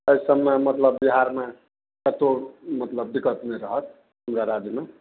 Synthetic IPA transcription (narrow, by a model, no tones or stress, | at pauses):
ʌjsʌmːamʌt̪lʌbːiɦaɾma | kʌt̪omʌt̪lʌb̚d̪ikʌt̪neɾʌɦʌt̪̚ | ɦʌmɾaɾad͡zjma